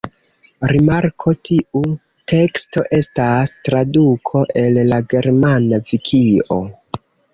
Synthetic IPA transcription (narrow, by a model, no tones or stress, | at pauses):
ɾimaɾkʰo̞tʰiu | te̞ksto̞ʔe̞stastɾadukʰo̞ʔe̞llaɡe̞ɾmanavikʰio̞̰